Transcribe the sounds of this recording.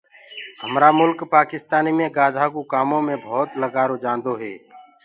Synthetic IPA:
ɦəmɾaːmʊlkpaːkɪst̪aːniːmẽːɡaːd̪ʱaːkoːkaːmõːmẽːbʱɔːt̪ləɡaːɾoːd͡ʒãːnd̪oːɦɛː

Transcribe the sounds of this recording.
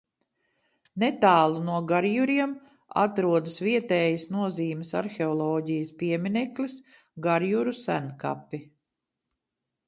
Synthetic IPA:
net̪aːlˠunuɔɡaɾjuɾiɛm | a̰t̪ɾuɔd̪əsviɛt̪ɛːjəsnuɔziːmɪsa̰ɾxʲeɔlˠɔːɟijəspiɛminɛklis | ɡaɾjuɾusænka̰pːi

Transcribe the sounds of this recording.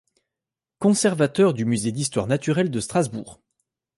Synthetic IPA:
kɔ̃sɛʁvat̪œʁd̪ymyzed̪ist̪waʁnat̪yʁɛld̪əst̪χazbṵːʁ

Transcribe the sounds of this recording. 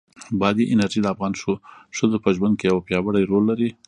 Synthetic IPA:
bɑd̪iʔɪnaɾʒid̪əafɣɑnʃoʃəzopəʒwand̪̚kejawapjɑwəɽajɾolːaɾi

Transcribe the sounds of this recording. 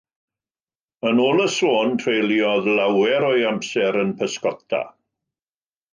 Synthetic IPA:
ənoːlˠəsoːntʰrejliɔðlawɛɾojamsɛɾənpʰəskɔtʰa̰

